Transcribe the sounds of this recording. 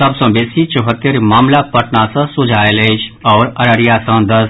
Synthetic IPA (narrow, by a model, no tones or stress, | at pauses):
səbsə̃beːsit͡ʃəɦət̪ːeɾmaːmlapəʈnasə̃sʊd͡ʒʱaːeled͡ʒʰɔːɾəɾəɾijasə̃d̪əs